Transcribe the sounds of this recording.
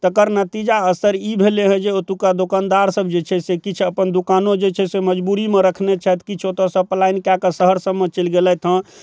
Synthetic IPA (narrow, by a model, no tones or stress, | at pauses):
t̪əkəɾnət̪id͡ʒaəsəɾibʱeleɦɛ̃d͡ʒeot̪ukad̪okand̪aɾsəbd͡ʒet͡ʃʰɛsekit͡ʃʰəpənd̪ukanod͡ʒet͡ʃʰɛseməd͡ʒbuɾimeɾəkʰnet͡ʃʰɛt̪kit͡ʃʰot̪əsəplainkjakəsəɦəɾsəbmet͡ʃəlɡelɛt̪ʰɦə̃